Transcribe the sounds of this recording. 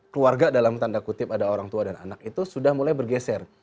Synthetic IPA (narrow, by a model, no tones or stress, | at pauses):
kluarɡadalamt̪andakut̪ɪpadaoɾaŋt̪uadana̰nak̚it̪usudahmulajbərɡesɛr